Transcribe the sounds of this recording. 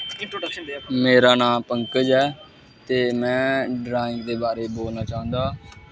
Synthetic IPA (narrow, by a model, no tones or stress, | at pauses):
meːɾaːnãːpəŋkəd͡ʒɛː | t̪eːmɛ̃ːɖɾaːɪ̃ŋɡ̚d̪eːbaːɾeːboːlnaːt͡ʃaːɦə̃nd̪aː